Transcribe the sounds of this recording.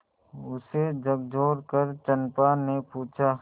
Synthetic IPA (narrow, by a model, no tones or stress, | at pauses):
ʊsed͡ʒəɡd͡ʒʱoːɾkəɾt͡ʃənpanepuːt͡ʃʰaː